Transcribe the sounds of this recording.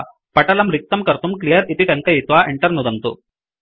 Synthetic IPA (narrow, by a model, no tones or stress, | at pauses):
pɐʈɐlɐmɾik̚t̪ɐmkɐɾt̪umklijɐɾip̪iʈɐŋkɐjit̪ʋaʔeɳʈɐɾnud̪ɐnt̪ṵ